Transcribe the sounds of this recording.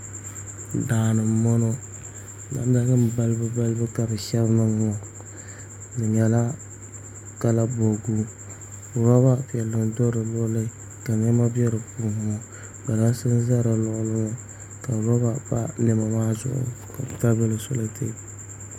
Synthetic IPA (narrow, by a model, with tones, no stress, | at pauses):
daː˨nɨ˨mɔ˦nɔ˦˨ | na̰˨˦n˦da˦ŋɨ˦m˦ba˦lbɨ˦ba˦lbɨ˦ka˨bɨ˨ʃɛ˦bnɨ˦ŋɔ˨ | bɨ˨ɲɛ˨la˦ | ka˨la˦bo˨ɡu˦˨ | ɾɔ˦βa˦pɛ˨lːɨ˨n˦dɔ˦ɾɨ˨lɔ˦lɨ˦ | ka˨ɲɛ˦ma˦bɛ˦ɾɨ˨puː˦˨˦ɔ˦ | ba˨la˦sɨ˦n˦za˦ɾɨ˨lɔ˦ʔlɨ˦ŋɔ˦ | ka˨ɾɔ˦ba˦ba̰˦nɨ˦ma˨maː˦zʊ̰˦˨ʔʊ̰˨ka˨bka˦bɛ˦lɨ˨sʊ̰˦lɨ˦tḛ˦